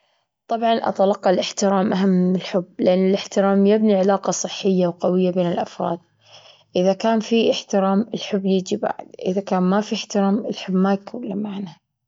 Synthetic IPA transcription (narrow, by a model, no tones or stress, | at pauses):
t̪ˤɑbʕɑnʔɑ̰t̪ɑlɑqːɑlʔɪħt̪ɪɾaːmʔaɦamːɪlħʊbːlɪʔanːɪlɪħt̪ɪɾaːmjɪbniʕalaːqɑsˤɨħːɪjːawqawɪjːabeːnɪlʔafɾˤɑ̰ːd̪̚ | ʔɪðakaːnfiɪħt̪ɪɾaːmɪlħʊbːjɪd͡ʒiba̰ʕɪ̰d̪ʔɪðakaːnmafiɪħt̪ɪɾaːmɪlħʊbmakʊwlːamaʕna